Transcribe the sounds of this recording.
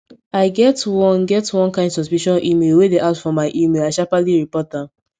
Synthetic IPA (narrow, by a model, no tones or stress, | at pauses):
aɪɡɛtwɔ̃nɡɛtwɔ̃nkãɪ̃ndsɔspiʃɔ̃nʔimelwedeʔaʊtfɔ̃maɪʔimelaɪʃapaliɹipɔt̚dãm